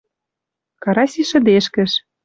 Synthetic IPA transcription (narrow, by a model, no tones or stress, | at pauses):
kɑɾɑsʲiʃə̆d̪eʃkə̆ʃ